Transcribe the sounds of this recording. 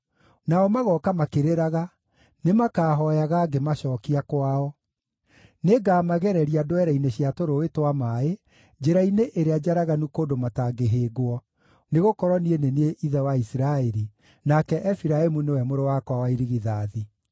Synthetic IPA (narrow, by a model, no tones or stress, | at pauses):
naɔmaɣɔkamakeɾeɾaɣa | nemakaːɦɔjaɣaːɡemaɕɔːkiakwaɔ | neɡaːmaɣɛɾɛɾiadoɛɾɛineɕiatoɾoetwamae | d͡ʑeɾaineʔeɾead͡ʑaɾaɣanukoːndomataɡeɦeːɡwɔ | neɣokɔɾwɔnienenieʔiðɛwaisiɾaɛɾi | nakɛʔɛfiɾaemunewɛmoɾowakwawaiɾiɣiðaːði